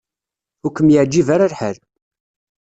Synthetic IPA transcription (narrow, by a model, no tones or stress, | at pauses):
ʊkːəmjəʕd͡ʒːivaɾaɾħəɾ